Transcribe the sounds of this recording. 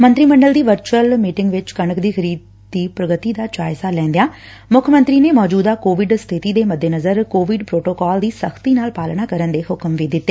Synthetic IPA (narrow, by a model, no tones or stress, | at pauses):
mə̃nt̪ɾiːmə̃ɳɖəld̪iːʋəɾt͡ʃəlmiːʈɪŋɡʋɪt͡ʃkəɳəkd̪iːxʰəɾiːd̪ːiːpɾəɡət̪iːd̪aːt͡ʃaːɪsaːlɛ̃ːnd̪ejaː | mʊkʰəmə̃nt̪ɾiːneːmɔːd͡ʒuːd̪aːkoːʋɪɖst̪ʰɪt̪iːd̪eːməd̪ʱːeːnəzəɾkoːʋɪɖpɾoːʈoːkɔːld̪iːsəxʰt̪iːnaːlpaːlnaːkəɾənd̪eːɦʊkəmʋid̪ɪt̪ːeː